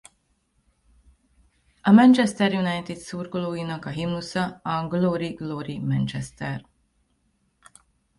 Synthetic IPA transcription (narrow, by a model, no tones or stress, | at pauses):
ɒmɛnt͡ʃɛst̪ɛrjunajt̪id̪surɡoloːjinɒkɒɦimusɒɒɡloɾiɡloːɾimɛnt͡ʃɛst̪ɛr